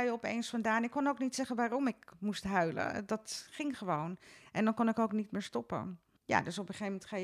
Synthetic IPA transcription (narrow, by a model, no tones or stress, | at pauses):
jəɔpḛjnsfɑndaːnɪkːɔnowknitsɛχənʋaːrɔmɪkmustɦœɥlə̰dɑtχɪŋχəʋownʔɛndɑnkʊnɪkowknitmɪːɹstɔpə̰ | ja̰ːdøsɔpəχejmɛntχaj